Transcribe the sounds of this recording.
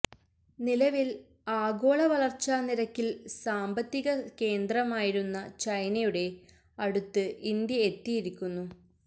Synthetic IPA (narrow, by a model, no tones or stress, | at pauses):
nilɐʋil | aːɡo̞ːɭɐʋɐɭɐrt͡ɕːaːniɾɐkːilsaːmbɐt̪ːiɣɐke̞ːnd̪rɐmaːjiɾunːɐt͡ɕɐjnɐjuɽe̞ | ɐɽut̪ːɨʔind̪jɐe̞t̪ːijiɾikʲːunːu